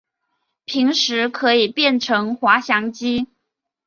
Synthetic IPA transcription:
pʰi˧˥ŋʂɻ̩˧˥kʰɤ˧˥i˨˩pjɛ˥˩nʈ͡ʂʰɤ˧˥ŋxwa˧˥ɕjɑ˧˥ŋt͡ɕi˥

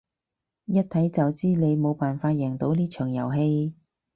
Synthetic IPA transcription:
jɐ˥t̚t̪ʰɐ˨˥jt͡sɐ˨wt͡siː˥ne˨˧jmo˨˧wpaː˨nfaː˧t̚jɛ˨˩ŋt̪o˨˥wliː˥t͡ʃʰœː˨˩ŋjɐ̰˨˩wɦe˧j

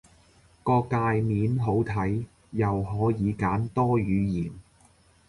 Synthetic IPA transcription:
kɔː˧kaː˧jmiː˨˥nɦo˨˥wt̪ʰɐ˨˥j | jɐ˨wɦɔː˨˥jiː˨˧kaː˨˥nt̪ɔː˥ɥyː˨˧jiː˨˩n

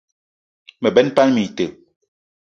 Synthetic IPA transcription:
mɛ˨bɛ˦npa˦nmi˨tə˨

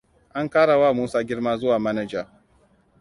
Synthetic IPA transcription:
ʔa˦ŋkaː˦ɽa˨waː˦˨muː˦saː˦ɡʲɪ˦ɽmaː˦zʊ˦waː˨mɐ˦nɛ˨d͡ʒa˨

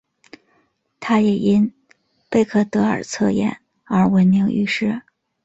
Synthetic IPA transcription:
t̪ʰa˥jɛ˨˩i˥n | pe˥˧ɪkʰɤ˥˩t̪ɤ˧˥ə̰˞˨˩t͡sʰɤ˥˧jɛ̰˨˩˦n | ə˞˧˥wə˧˥nmi˧˥ŋy̰˧˥ʂɻ̩˥˩

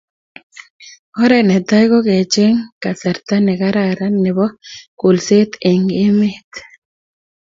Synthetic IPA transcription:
ɔ˦ɾɛ˨nɛ˨t̪a˦jkɔ˦ke˨t͡ʃe˦ŋka˨sa˨ɾt̪a˦nɛ˨ka˦ɾaɾa˦nɪ˨bɔ˦ko˨lse˦t̪e˨ŋɪ˦mɪ˦t̪

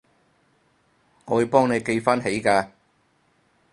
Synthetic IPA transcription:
ŋɔː˨˧wɵ˨˥pɔː˥ŋne˨˧jke˧jfaː˥nɦe˨˥jkaː˧

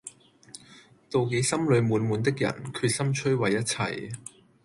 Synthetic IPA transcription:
t̪o˨wke˨˧˥jsɐ˥mlɵ˨˧ɥmuː˨˧nmuː˨˧nt̪ɪ˥k̚jɐ̰˨˩nkʰyː˧t̚sɐ˥mt͡ʃʰɵ˥ɥwɐ˨jːɐ˥t̚t͡sʰɐ̰˧j

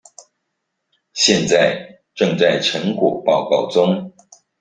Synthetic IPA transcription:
ɕjɛ˥˧nt͡sa˥˧ɪ | ʈ͡ʂɤ˥˧ŋt͡sa˥˩ɪʈ͡ʂʰɤ˧˥ŋkwɔ̰˨˩pɑ˥˧ʊkɑ˥˩ʊt͡sʊ˥ŋ

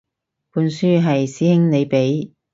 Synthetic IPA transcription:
puː˨˧nsyː˥ɦɐ˨jsiː˨˥hɪ˥ŋne˨˧jpe˨˥j

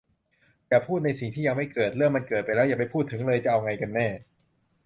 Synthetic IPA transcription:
jaː˨˩pʰuː˥˩t̪̚na˧jsi˨˩ŋt̪ʰiː˥˩a˧ŋma˥˩jkɤː˨˩t̪̚lɤː˥˩mːa˧nkɤː˨˩pa˧jlɛ˦˥ja˨˩pa˧jpʰuː˥˩t̪ʰːɯ˩˦ŋlɤː˧jt͡ɕa˨˩ʔa˧wŋa˧jka˧nːɛː˥˩

